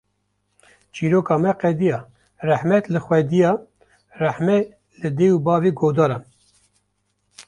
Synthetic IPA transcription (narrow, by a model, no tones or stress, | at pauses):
t͡ʃiːɾoːkɑːmɛqɛd̪ijɑː | rɛħmɛt̪lɨxwɛd̪ijɑː | rɛħmɛ | lɨd̪ewubɑːveɡoːd̪ɑːɾɑn